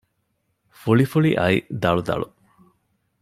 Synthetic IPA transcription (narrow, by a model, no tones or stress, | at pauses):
fuɭifuɭiʔɐid̪ɐɭud̪ɐ̰ɭu